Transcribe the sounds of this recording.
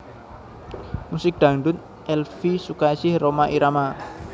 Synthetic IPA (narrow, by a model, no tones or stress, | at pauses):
musɪk̚d̪̥ä̤ŋɖʊn | ʔɛlfisukaisɪhromaʔiɾama